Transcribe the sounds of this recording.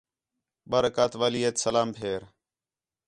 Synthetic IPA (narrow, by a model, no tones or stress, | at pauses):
ɓəɾəkaːt̪ʋaːliːeːt̪səlaːmpʰeːɾ